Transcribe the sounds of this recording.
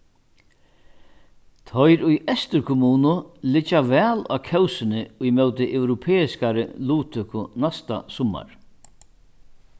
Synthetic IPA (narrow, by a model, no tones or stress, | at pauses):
t̪ʰɔjɾʊjɛst̪ɪɾkʰʊmuːnʊlɪt͡ʃːavɛːla̰ːkʰɛwsɪnɪʊjmœwt̪ɪʔɛwɾʊpʰɛːɪskaɾɪluːt̪ʰʏkʰʊnast̪a̰sɔma̰ɹ